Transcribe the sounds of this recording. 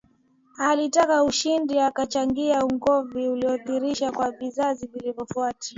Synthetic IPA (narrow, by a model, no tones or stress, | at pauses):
halitakauʃindiakat͡ʃaŋɡiauŋɡɔviuliɔθiɾiʃakwavizazivilivɔfuatḁ